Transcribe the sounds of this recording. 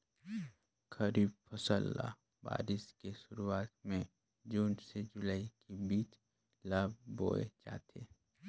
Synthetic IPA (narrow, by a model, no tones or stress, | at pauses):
kəɾiːbfʰəsəlːa̰ | ba̰ːɾɪskeʃʊɾuaːt̪̚mẽ | d͡ʒuːnsed͡ʒʊlaːikebiːt͡ʃ | laːbːo̰ːḛt͡ʃa̰ːt̪ʰḛː